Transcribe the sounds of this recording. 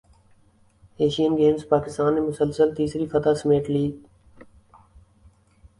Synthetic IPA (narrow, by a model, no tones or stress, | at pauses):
eːʃijənɡeːmspaːkɪst̪aːnːeːmʊsəlsəlt̪iːsɾiːfət̪aːsəmeːʈliː